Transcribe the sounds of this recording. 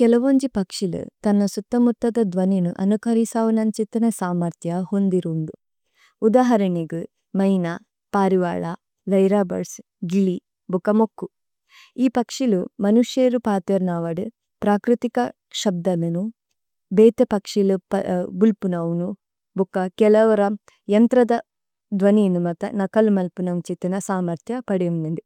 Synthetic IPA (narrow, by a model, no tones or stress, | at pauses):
kɛlɐʋoɲd͡ʒipɐkʂilṵt̪ɐnːɐsut̪ːɐmut̪ːɐd̪ɐd̪ʋɐninuʔɐ̰nukɐɾisaːʋɐnɐnt͡ʃit̪ːɐnɐsaːmɐɾt̪ʰjɐhond̪iɾuːnd̪u | ud̪aːɦɐɾɐniɡɨ | mɐjna | paːɾiʋa̰ːɭa | lɐjɾaːbɐ̰ɾs | ɡili | bukɐmokːu | iːpɐkʂilumɐnuʃjeːɾupaːt̪jɐɾnaːʋɐɽu | pɾaːkɾit̪ikɐ | ʃɐb̚d̪ɐminu | beːt̪ɐpɐkʂilupɐbulpunɐʋnu | bukːɐkɛlɐʋɐɾɐ | jɐnt̪ɾɐd̪ɐ | d̪ʋɐniːnumɐt̪ɐ̰nɐkɐlumɐlpunɐʋt͡ʃit̪ɐnɐsaːmɐɾt̪ʰjɐpɐɽejund̪ɐnd̪u